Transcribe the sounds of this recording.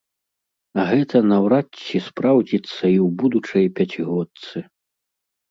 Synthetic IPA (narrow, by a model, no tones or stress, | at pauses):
ɐɣɛt̪ɐnɐwɾat͡sʲːispɾawd͡zʲit̪sːɐiwbud̪ut͡ʂɐjpʲat͡sʲiɣɔt̪sɨ